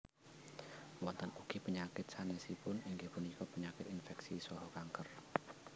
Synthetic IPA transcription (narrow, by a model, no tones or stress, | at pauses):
wɔnt̪ənuɡ̥ipəɲakɪt̪̚sanɛsipʊniŋɡipunikɔpəɲakɪt̪infɛksisɔɦɔkaŋkər